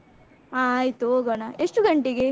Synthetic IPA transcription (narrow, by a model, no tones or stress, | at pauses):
aːjt̪uoːɡɐnaeʂʈuɡɐɳʈeɡe